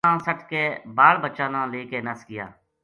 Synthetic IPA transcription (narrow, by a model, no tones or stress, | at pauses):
ãːsəʈkeːbaːɽbəːʃãːnãːleːkeːnəskɪja̰ː